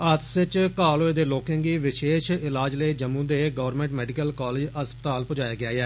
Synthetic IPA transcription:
ət̪sɪt͡ʃkaːloːed̪eːloːkẽŋɡiːʋɪʃeːʃɪlaːd͡ʒləid͡ʒəmːũːd̪eːɡəʋəɾmẽːɳʈmɛːɖikəlkaːleːd͡ʒəspət̪aːlpʊd͡ʒaːjaːɡɪaːɛː

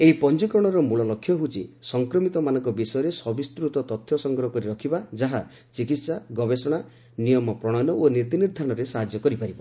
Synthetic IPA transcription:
eɦipɔnt͡ʃikɾɔɽ̃ɔɾɔmuɭɔlɔkʰːjɔɦut͡ʃʰisɔŋkɾɔmit̪ɔmanɔ̃ŋkɔbisɔjɔɾesɔbist̪ɾut̪ɔt̪ɔt̪ʰjɔsɔŋɡɾɔɦɔkɔɾiɾɔkʰibad͡ʒaɦa | t͡ʃikit̪saɡɔbesɔɽ̃a | nijɔmɔpɾɔɽ̃ɔnɔʔoniɾt̪iniɾd̪ʱaɾɔɽ̃ɔɾesaɦad͡ʒjɔkɔɾipaɾiba

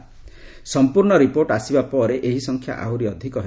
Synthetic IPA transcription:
sɔmpuɾɳɔɾipoɾʈasibapɔɾeʔeɦisɔŋkʰja̰ʔawɾiɔd̪ʱikɔɦe

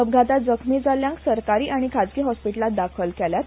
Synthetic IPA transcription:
əb̚ɡʱat̪ad͡zəkʰmiːd͡zaljãŋksəɾkaɾiːʔaɽ̃ikʰad͡zkiːɦɔspiʈəlat̪̚d̪akʰəlkɛlja

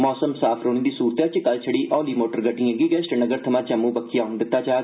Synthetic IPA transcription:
mɔːsəmsaːpʰɾoːñeːd̪iːsuːɾt̪aːt͡ʃɪkəlt͡ʃʰəɽiːʔɔ̃ːliːmoːʈəɾɡəɖiːãːɡiːɡɛsʈənəɡəɾt̪ʰəmãːt͡ʃəmːũːbəkʰːijaːʊnd̪ɪt̪ːaːt͡ʃaː

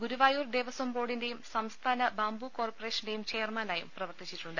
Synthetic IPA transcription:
ɡuɾuʋaːjuːrd̪eːʋɐsombo̞ːɽinde̞jumsɐmst̪ʰaːnɐbaːmbuko̞ːrpore̞ːʂɐnde̞jumt͡ɕe̞ːrmɐnaːjṵmprɐʋɐrt̪it͡ɕːiʈːuɳɖɨ

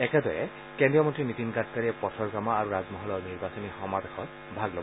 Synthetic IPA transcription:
ɛkɛdɔjɛ | kendijɔmɔntɹinit̪inɡatkaɹijɛpɔtʰɔɹɡamaaɹuɹazmɔɦɔlɔɹniɹbasɔnixɔmabexɔt | bʱaɡlɔb

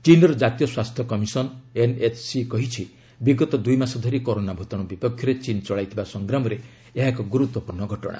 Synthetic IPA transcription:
t͡ʃinɔɾɔd͡ʒat̪ijɔswast̪ʰjɔkɔmisɔnenet͡ʃsikɔɦit͡ʃʰi | biɡɔt̪ɔd̪ujmasɔd̪ʱɔɾikoɾonabʱut̪ɔɽ̃ɔbipɔkʰjɔɾet͡ʃint͡ʃɔɭajt̪ʰibasɔŋɡɾamɔɾe | eɦakɔɡuɾut̪wɔpuɾnɔɡʱɔʈɔ̰ɽ̃a̰

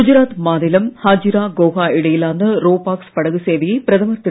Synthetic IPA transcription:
ud͡ʑɾaːt̪maːnilɐmhaːd͡ʑiɾaːɡoːɦaːiɽɐjilaːnːɨroːpaːkspɐɽɐɣɨseːʋijepɾɐðɐmɐrt̪ːi

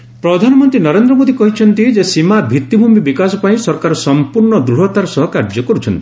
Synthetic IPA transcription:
pɾɔd̪ʱanɔmɔnt̪ɾinɔɾend̪ɾɔmod̪ikɔɦit͡ʃʰɔnt̪id͡ʒesimabʱit̪ːibʱumibikasɔpaĩsɔɾkaɾɔsɔmpuɾɳɔd̪ɾuɽɔt̪aɾɔsɔɦɔkaɾd͡ʒɔkɔɾut͡ʃʰɔnt̪i

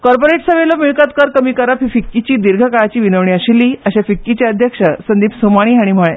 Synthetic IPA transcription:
kɔɾpoɾeʈsəʋelomiɭkat̪̚kəɾkəmiːkəɾafifikːit͡ɕiːd̪iɾɡʱəkaɭat͡ɕiːʋinəʋɳiəɕilːiːəɕafikːit͡ɕjaəd̪ʱjəkʂəsənd̪iːpsomaɽ̃iːɦaɽ̃im̤əɭe

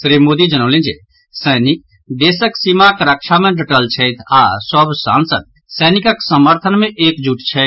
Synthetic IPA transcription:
sɾiːmoːd̪id͡ʒɐɽ̃õːlẽːd͡ʒḛː | sɛːnɪk̚ | d̪eːsəksimakɾakʃamɛ̃ɖɐʈəlt͡ʃʰɛːt̪ʰaːsɔbsa̰ːnsəd̪̚ | sɛːnɪkaksɐməɾt̪ʰənmɛ̃ʔeːkd͡ʒuːʈt͡ʃʰɛ

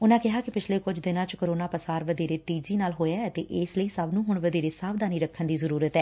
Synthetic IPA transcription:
ʊnãːkɪɦaːkɪpɪt͡ʃʰleːkʊd͡ʒd̪ɪnãːt͡ʃkəɾoːnãːpəsaːɾʋəd̪eːɾeːt̪iːd͡ʒiːnaːlɦoːjaːɛt̪ḛːʔɪːsləiːsəbnũːɦʊɳʋəd̪eːɾeːsaːʋd̪aːniːɾəkʰːənd̪iːzəɾuːɾət̪ɛː

